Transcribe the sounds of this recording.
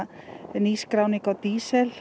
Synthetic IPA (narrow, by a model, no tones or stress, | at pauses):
niːskɾawnikawt̪iːsɛl